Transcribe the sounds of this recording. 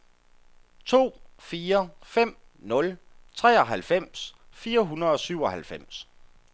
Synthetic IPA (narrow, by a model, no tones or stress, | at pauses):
t͡sʰo̝̰ːfiːɐfem̰ | nɔ̽l | t͡sʰʁɛ̰ːɒ̽ɦælfem̰sfiːɐɦunɐð̩ˠɒ̽syʊ̰ɒ̽ɦælfem̰s